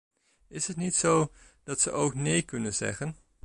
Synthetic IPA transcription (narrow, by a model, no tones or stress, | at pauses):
ɪsɦətnitsow | d̥ɑtsə̰ʔowknejkɵnənz̥ɛ̰χən